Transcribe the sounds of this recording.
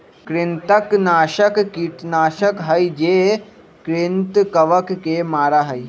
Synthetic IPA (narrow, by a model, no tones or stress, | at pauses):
kɾɪnt̪əknaːʃəkkiʈnaːʃəkɦɐid͡ʒeː | kɾɪnt̪kɐʋəkːemaːɾaɦəi